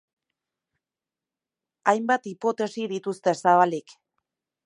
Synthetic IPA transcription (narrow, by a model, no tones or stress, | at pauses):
ajmbat̪ipo̞t̪e̞siðit̪ust̪e̞saβalik